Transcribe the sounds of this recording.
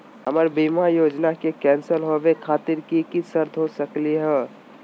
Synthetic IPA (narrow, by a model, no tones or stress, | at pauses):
ɦəməɾbimajoːd͡ʒnakekɛ̃ːnsəlɦoʋekʰaːt̪ɪɾkikisəɾd̪ʱɦosəkliɦɛː